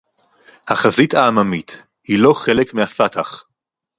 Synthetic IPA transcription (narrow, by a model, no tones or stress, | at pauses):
haχazitaːmamit | hilo̞χe̞lekmehafatʰaχ